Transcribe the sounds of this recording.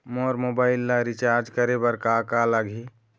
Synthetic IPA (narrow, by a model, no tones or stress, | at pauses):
moɾmobailːaɾit͡ʃaɾd͡ʒkəɾebəɾkakaləɡʱi